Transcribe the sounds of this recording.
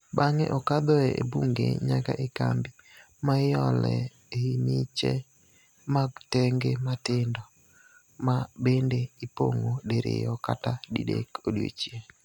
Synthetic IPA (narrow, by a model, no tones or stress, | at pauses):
baŋɛʔɔkad̪ɔɛebuŋɡḛɲaka̰ʔekambɪ | majɔlɛ | eimɪt͡ʃɛ | maɡtɛŋɡematɪndɔ | mabendeipoŋodeɾḛjɔkatadidekodjo̰t͡ʃje